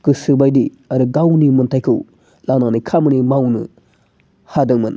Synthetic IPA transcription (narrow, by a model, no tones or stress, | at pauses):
kɯsɯbajdi | aɾɯɡawnimɯntʰajkʰɯw | lananikʰamɯnimawnɯ̰ | hadɯŋmɯn